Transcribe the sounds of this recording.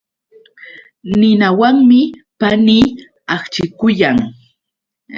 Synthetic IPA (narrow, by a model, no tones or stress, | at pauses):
nɪnawaŋmɪpaniː | aχt͡ʃɪkʊjaŋ